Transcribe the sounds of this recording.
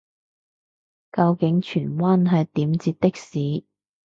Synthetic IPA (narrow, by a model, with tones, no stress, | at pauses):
kɐ˧wkɪ˨˥ŋt͡ʃʰyː˨˩nwaː˥nɦɐ˨˧jt̪iː˨˥mt͡siː˧t̚t̪ɪ˥k̚siː˨˥